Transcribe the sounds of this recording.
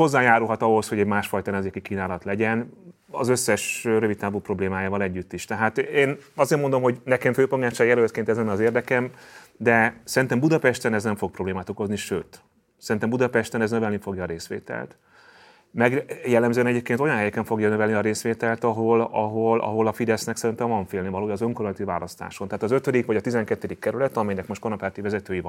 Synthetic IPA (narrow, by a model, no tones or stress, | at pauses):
ho̞zːaːjaːɾulɦɒt̪ɒɦo̞sho̞ɟɛɟmaːʃfɒjt̪ɒnɛmzeːkikiːnaːlɒt̪lɛɟɛn | ɒ̰zøsːɛʃɾøvit̪t̪ːaːbupro̞bleːmaːjaːvɒlɛɟːyt̪ːiʃt̪ɛɦaːt̪eːnɒzeːrmod̪o̞mɦoɟnɛkɛɱføːpoɡaːt͡ʃajɛlølt̪keːnt̪ɛzɛnɒzeːrd̪ɛkɛm | d̪ɛsɛɾint̪ɛmbud̪ɒpɛʃt̪ɛnɛznɛɱfo̞k̚pro̞bleːmaːt̪oko̞zniʃøːt̪ | sɛɾint̪ɛmbud̪ɒpɛʃt̪ɛnɛznø̞vɛlnifo̞ɡjɒːɾeːsʋḛːt̪ɛ̰lt̪ | mɛɡjɛlːɛmzønɛɟeːp̚keːnt̪ojɒnɦɛjɛkɛɱfo̞ɡjɒnøvɛlniɒɾeːsʋeːt̪ɛlt̪ɒɦo̞lɒ̰ɦo̞lʔɒ̰ɦolɒfid̪ɛsnɛksɛɾint̪ɛɱvɒɱfeːlnevɒloːjɒzøŋkoɾont̪iva̰ːlɒst̪a̰ːʃo̞nt̪ɛaːt̪ɒzøt̪ød̪ikʋɒɟɒt̪izɛŋkɛt̪ːød̪ikːɛɾylɛt̪ɒmɛjnɛkmoʃt̪konɒpaːt̪ivɛzɛt̪øːjivɒn